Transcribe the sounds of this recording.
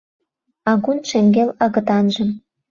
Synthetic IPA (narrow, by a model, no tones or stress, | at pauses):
ɑɣunʃĕŋɡelɑɣɤ̆t̪ɑnʒə̆m